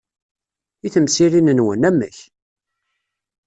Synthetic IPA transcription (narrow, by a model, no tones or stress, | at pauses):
iθəmsiɾinənwə̰næmːə̰ç